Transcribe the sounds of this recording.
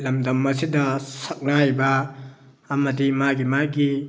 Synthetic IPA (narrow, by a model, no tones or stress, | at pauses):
lɐmdɐmɐsidɐsak̚najbɐː | mɐdimaɡimaɡi